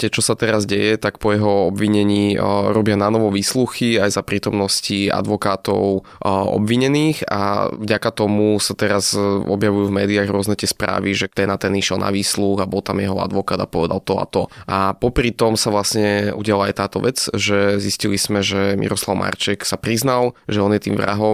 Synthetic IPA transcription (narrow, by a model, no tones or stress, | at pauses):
t̪ɪɛt͡ʃɔsat̪ɛɾazɟɛjɛt̪akpɔjɛɦɔɔbʋiɲɛɲiːɾɔbɪananɔʋɔʋiːsluxiajzapɾiːt̪ɔmnɔscia̰d̪ʋɔkaːt̪ɔ̰ʊ | ɔ̰bʋiɲɛniːxa̰vɟakat̪ɔmusat̪ɛɾazɔbjaʋujuvmɛːd̪iaɣɾʊɔznɛt̪ɪɛspɾa̰ːʋiʒɛt̪ɛnat̪ɛniʃɛlna̰ʋiːsluɣabɔlt̪amjɛɦɔa̰d̪ʋɔkaːd̪apɔʋɛd̪a̰lt̪ɔa̰t̪ɔʔapɔpɾit̪ɔmsaʋlasɲɛuɟɪalaajt̪aːt̪ɔʋɛt͡sʒɛziscilizmɛʒɛmʔḭɾɔslaʊmʔa̰rt͡ʃɛksapɾiznalʒɛɔnjɛt̪iːmvɾa̰ɦɔm